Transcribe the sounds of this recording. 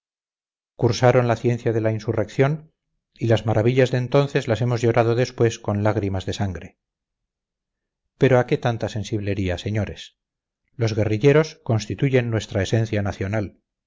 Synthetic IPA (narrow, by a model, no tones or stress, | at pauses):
kuɾsaɾo̞nlaθje̞n̟θjaðe̞lainsure̞kθjo̞n | ilazmaɾaβiʎazðeːnt̪o̞nθe̞zlase̞mo̞zʝo̞ɾað̞oðe̞spwe̞sko̞nlaɣ̞ɾimazðe̞saŋɡɾe | pe̞ɾo̞ake̞t̪ant̪ase̞nsiβle̞ɾiase̞ɲo̞ɾe̞s | lo̞zɣe̞riʎe̞ɾo̞sko̞nst̪it̪uʝe̞nːwe̞st̪ɾaesẽ̞nθjanaθjo̞nal